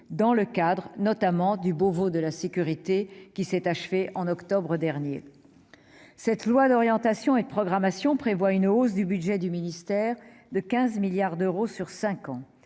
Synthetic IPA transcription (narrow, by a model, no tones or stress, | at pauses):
d̪ɑ̃ləkad̪ʁənɔt̪amɑ̃d̪ybovod̪əlasekʲyʁit̪ekʲisɛt̪aʃfeʔɑ̃nɔkt̪ɔbʁəd̪ɛʁnje | sɛt̪lwad̪ɔʁjɑ̃t̪asjɔ̃ed̪əpχɔɡʁamasjɔ̃pχevwaynos̬d̪ybyd̪ʒɛd̪yminist̪ɛːʁd̪əkʲɛ̃zmiljaʁd̪øʁosyʁsɛ̃kɑ̃